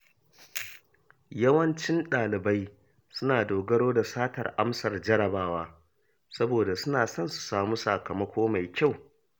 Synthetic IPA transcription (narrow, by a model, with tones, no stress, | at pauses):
jɐ˦wɐ˦nt͡ʃɪ˦nɗaː˨lɪ˨ba˦j | sʊ˦naː˨doː˨ɡɐ˦ɽoː˦da˨saː˦tɐ̰˨rʔa˦msɐ˨rd͡ʒɐ˦ɽɐ˨baː˦waː˦ | sɐ˦boː˨da˨sʊ˦naː˨sɐ˦˨nsu̥˨saː˨muː˦sa̰˨kɐ˨mɐ˦kʷoː˦ma˨jkʲa˦˨w